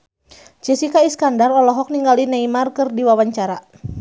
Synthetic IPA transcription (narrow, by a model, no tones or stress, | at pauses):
t͡ʃesikaiskandarɔlɔɦɔk̚niŋɡalinaimarkɨrdiwawaɲt͡ʃaɾa